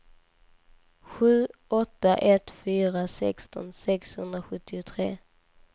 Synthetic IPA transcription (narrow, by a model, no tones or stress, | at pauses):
ɧʉ̟ːɔt̪ːaʔɛt̪fyːɾasɛ̰kst̪ɔ̰nsɛkshɵnd̪ɾaɧɵt̪ːɪʊt̪ʰɾḛː